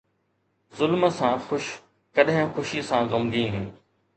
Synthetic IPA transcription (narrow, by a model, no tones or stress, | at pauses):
zʊlməsãːxʊʃ | kɐɗɦɪ̃xʊʃisãɣɐmd̪ĩːɦː